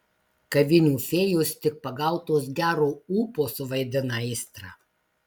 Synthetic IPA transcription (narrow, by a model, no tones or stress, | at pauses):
kɐʋʲɪnʲuːfʲeːjoːst̪ʲɪk̚pɐɡɐˑlʊt̪oːs̬ɡʲæːɾoːuːpoːsʊʋɐɪd̪ʲɪnɐɪst̪ɾɑ̰